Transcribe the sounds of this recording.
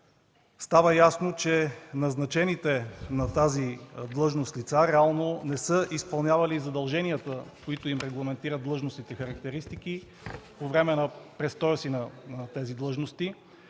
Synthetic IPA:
st̪avəjasnot͡ʃɛnɐznɐt͡ʃɛnit̪ɛnɐt̪azid̪lˠɤʒnost̪lit̪saɾɛalˠnonɛsəʔispɐlˠnʲjavɐlizɐd̪ɐlˠʒɛniət̪əkoit̪oimɾɛɡlˠɐmɛnt̪iɾəd̪̚d̪lˠɤʒnosit̪ɛxɐɾɐk̚t̪ɛɾist̪ik̟i | povɾɛmɛnɐpɾɛst̪ɔjəsinɐt̪ɛzid̪lˠɤʒnost̪i

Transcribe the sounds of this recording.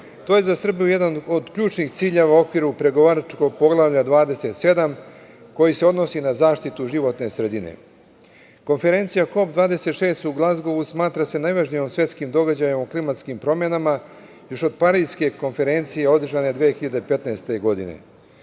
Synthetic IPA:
t̪oːje̞zasr̩bijuje̞d̪anod̪kʎuːt͡ʃnixt̪siːʎe̞ʋao̞kʋiɾupɾe̞ɡo̞ʋaɾat͡ʃko̞ɡ̚po̞ɡlˠaʋʎad̪ʋaːd̪e̞se̞t̪se̞d̪am | ko̞jiseo̞d̪nosinazaːʃt̪it̪uʒiʋo̞t̪ne̞sɾe̞d̪inḛ | ko̞nfe̞ɾe̞nt̪sijaxo̞pd̪ʋaːd̪e̞set̪ʃe̞ːst̪uɡlˠazɡo̞ʋusmaːt̪ɾase̞najʋaʒnijo̞msje̞t̪skimd̪o̞ɡad͡ʑajimoklimat̪skimpɾo̞me̞nama | jo̞ʃo̞d̪paɾiske̞ko̞nfe̞ɾe̞nt̪sijeo̞d̪r̩ʒane̞d̪ʋeːxiʎad̪epe̞t̪nast̪e̞ɡo̞d̪ḭnḛ

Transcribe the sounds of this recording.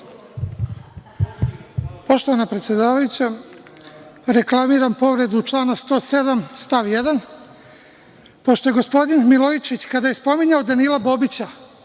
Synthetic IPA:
po̞ʃt̪oanapɾet̪sje̞d̪aːʋajut͡ɕa | ɾe̞klˠamiːɾampo̞ʋɾe̞d̪uːt͡ʃlˠaːnast̪o̞ːse̞d̪amst̪aʋjed̪an | po̞ʃt̪o̞je̞ɡo̞spo̞d̪inmilˠoit͡ʃit͡ɕkad̪aje̞spo̞miɲaod̪aniːlˠabo̞ːbit͡ɕa

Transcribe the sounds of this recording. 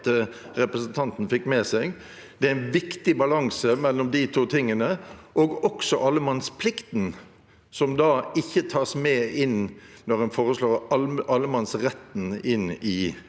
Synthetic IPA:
t̪ə | ɾɛpɾəsənt̪ʰɑnt̪n̩fɪkːmɛːsɛɡ | d̪̥ɛææɪnʋɪkt̪ɪbɑlɑŋsəmɛlːɔmd̪ɪt̪ʰuːt̪ʰɪŋːənəʔoːɡɔksɔʔɑlːəmɑnspʰlɪkt̪n | sɔmd̪ɑɪçːət̪ʰɑːsmɛːɪnnɔʁɛnfoːʁəsloːʁʔɑlːəmɑnsʁɛt̪ːn̩ɪnɪ

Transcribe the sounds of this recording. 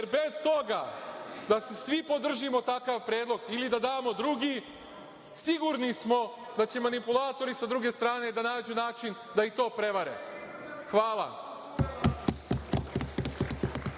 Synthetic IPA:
jeɾbe̞zt̪o̞ɡa̰d̪asesʋipo̞d̪r̩ʒimo̞t̪akaʋpɾe̞ːd̪lo̞ɡilid̪ad̪aːmo̞d̪ɾuɡi | siɡuɾnismo̞ | d̪at͡ɕe̞manipulˠaːt̪o̞ɾisad̪ɾuɡe̞st̪ɾaːne̞d̪anaːd͡ʑunaːt͡ʃin | d̪ait̪o̞ːpɾe̞ʋaɾḛ | xʋaːlˠa̰

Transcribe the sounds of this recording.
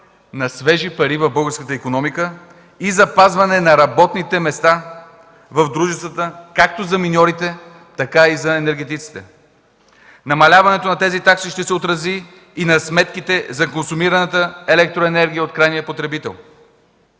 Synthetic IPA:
nɐsvɛʒipɐɾivɐvbɤlˠɡəɾskət̪əikonɔmikə | izɐpazvɐnɛnɐɾɐbɔt̪nit̪ɛmɛst̪a | vɐvd̪ɾuʒɛst̪vət̪əkak̚t̪ozɐminʲɔɾit̪ɛ | t̪ɐkaizɐɛnɛɾɡʲɛt̪it̪si̥t̪ɛ | nɐmɐlʲavɐnɛt̪onɐt̪ɛzit̪aksiʃt̪ɛsɛot̪ɾɐziː | nɐsmɛt̪kit̪ɛzɐkonsumiɾɐnət̪əɛlɛk̚t̪ɾoɛnɛɾɡʲiəot̪̚kɾajnijəpot̪ɾɛbit̪ɛ̰lˠ

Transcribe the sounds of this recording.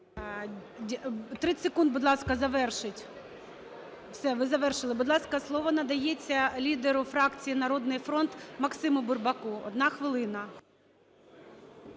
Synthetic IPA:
t̪ɾɪsekund̪̚bʊd̪lˠɑskɐzɐʋɛrʃɪtʲ | wsɛʋɪzɐʋɛrʃɪlˠɪbʊd̪lˠɑskɐslˠɔʋɔnɐd̪ɐjet͡sʲːɐlʲid̪eɾʊfɾɑkt͡sʲijinɐɾɔd̪nɪjfɾɔnt̪mɐksɪmʊbʊrbɐkuɔd̪nɑxʋɪlˠɪnɐ

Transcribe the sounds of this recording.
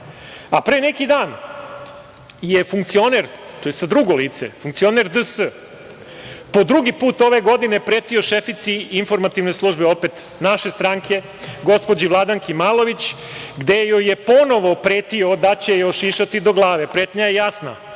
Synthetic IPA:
apɾeːnekid̪aːn | jefuŋkt̪sio̞neɾt̪ojest̪ad̪ɾuɡo̞liːt̪sḛfuŋkt̪sio̞neɾd̪əsə | po̞d̪ɾuɡipuːt̪o̞ʋe̞ɡo̞d̪ine̞pɾeːt̪io̞ʃefit̪siinfo̞ɾmat̪iʋne̞slˠuʒbeo̞pet̪ | naʃe̞st̪ɾaːŋkʰe̞ | ɡo̞spo̞d͡ʑiʋlˠad̪aŋkʰimaːlˠo̞ʋit͡ɕɡd̪e̞jojepo̞no̞ʋo̞pɾe̞ːt̪io̞d̪at͡ɕe̞jo̞ʃiʃat̪id̪o̞ɡlˠaːʋepɾe̞ːt̪ɲajejasna̰

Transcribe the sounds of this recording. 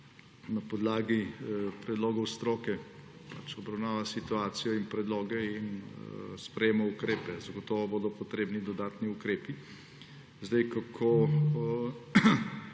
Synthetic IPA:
nɐpɔd̪laːɡipɾɛd̪loːɡɔwst̪ɾoːkɛ | pat͡ʃɔbɾɐwnaːʋasit̪uaːt̪sijɔinpɾɛd̪loːɡɛinspɾɛjeːmɔukɾeːpɛzɐɡɔt̪ɔːʋɔboːd̪ɔpɔt̪ɾeːbnid̪ɔd̪aːt̪niukɾeːpi | zd̪ɛjkakʰo

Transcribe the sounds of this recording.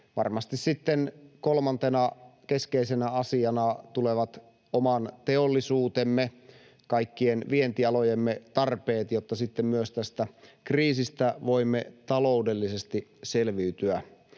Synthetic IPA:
ʋɑ̰rmɑst̪issit̪ːenkolmɑnt̪enɑkeskeisenæɑsiɑnɑt̪uleʋɑt̪ | omɑnt̪eolːisuːt̪emːe | kɑikːienʋient̪iɑlojemːet̪ɑrpeːt̪jot̪ːɑsit̪ːemmyøst̪æst̪ækriːsist̪æʋo̞imːet̪ɑloudelːisest̪iselʋiːt̪yæ

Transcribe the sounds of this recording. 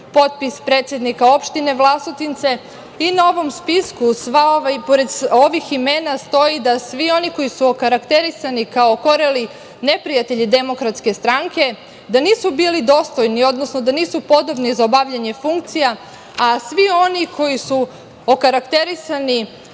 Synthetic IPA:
po̞t̪̚pispɾe̞ːt̪sʲje̞d̪nikao̞pʃt̪ine̞ʋlˠasot̪int̪se̞ | inao̞ʋo̞mspiskusʋapoɾed̪so̞ʋiximenast̪o̞jid̪asʋio̞niko̞jisuokaɾakt̪e̞ɾisanikao̞ko̞ɾeli | ne̞pɾijat̪e̞ʎid̪e̞mo̞kɾat̪ske̞st̪ɾaŋke̞ | d̪aniːsubiːlid̪o̞ːst̪o̞jnio̞d̪no̞sno̞d̪aniːsupo̞d̪o̞bnizaobaʋʎeɲe̞fuŋk̚t̪sija | asʋio̞nikʰo̞jisu | okaɾakt̪e̞ɾisani

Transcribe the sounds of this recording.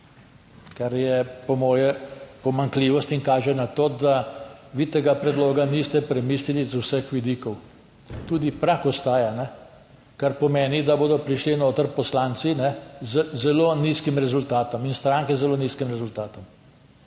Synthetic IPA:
kaɾjɛpɔmɔːjɛpɔmaŋkliːʋɔst̪iŋkaːʒɛnat̪oːd̪aʋit̪eːɡapɾɛd̪loːɡanist̪ɛpɾɛmiːslilizuwsəxʋid̪iːkɔw | t̪uːd̪ipɾakɔst̪aːjanɛ | kaɾpɔmeːnid̪aboːd̪ɔpɾiʃlinoːt̪əɾpɔslaːnt̪sinɛzəzɛloniːskimɾɛzult̪aːt̪ɔminst̪ɾaːŋkɛzɛloːniːskimɾɛzult̪aːt̪ɔm

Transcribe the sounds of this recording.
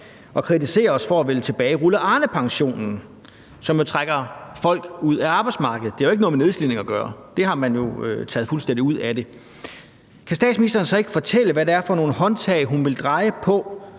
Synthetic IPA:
ɒ̽kʰʁit͡sʰise̝̰ːɐɒ̽sfɒ̽æʋe̝lt͡sʰe̝b̥ɛːɪʁuləʔɑ̈ːnəpʰɑ̈ŋɕo̝̰ːnn̩ | sɒ̽mjo̝t͡sʰʁaɡ̥ɐfɒ̽l̰ɡ̥uð̰ˠæɑ̈ːb̥aɪdsmɑ̈ɡ̥əð̩ˠd̥eæjoe̝ɡənoːmene̝ðˠslin̰e̝ŋɒɡ̥ɶːɐd̥e̝ɦɑ̈mænjo̝øt͡sʰɛ̰ːðˠfulsd̥en̰diuð̰ˠæd̥e̝ | kʰæsd̥ɛ̰ːd̥sminisd̥ɐːnsɒ̽e̝ɡ̥əfɒ̽t͡sʰel̰əʋæɾeæɐfɒ̽no̝ːn̩ɦɒ̽nt͡sʰɛɪɦunʋe̝ld̥ʁɑ̈ɪəpʰɒ̽

